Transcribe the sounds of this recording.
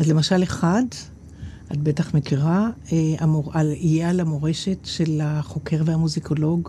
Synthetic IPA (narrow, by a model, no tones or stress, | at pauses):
azle̞maʃaleχad | ʔadbe̞taχmekiʁaeamoaijealamoʁe̞ʃe̞tʃe̞laχo̞ke̞ʁvehamuziko̞lo̞ɡ